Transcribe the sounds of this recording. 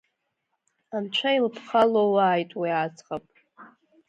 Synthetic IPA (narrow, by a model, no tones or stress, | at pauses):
amt͡ʃʷʰailpʰχalowaːjtʼwiat͡sʰʼχʼapʼ